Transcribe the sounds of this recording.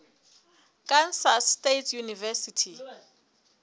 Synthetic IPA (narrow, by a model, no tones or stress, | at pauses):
kʼansastetʰjunivɛsitʰi